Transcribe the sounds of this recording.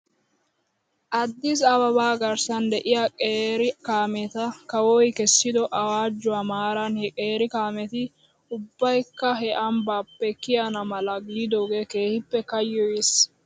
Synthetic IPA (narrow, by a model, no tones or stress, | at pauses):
ʔɐd̪ːɪsɐbɐbaːɡɐɾsɐnd̪ɛʔɪjakʼeːɾɪkaːmɛt̪ɐkɐwɔjkɛsːɪd̪ɔʔɐwaːd͡ʒːʊwaːmaːɾɐnhɛkʼeːɾɪkaːmɛt̪ɪ | ʊbːɐjkːɐɦɛʔɐmbaːpːɛkɪjɐnɐmɐlɐɡiːd̪oːɡeːke̞ːhɪpːɛkɐjːɔjɪs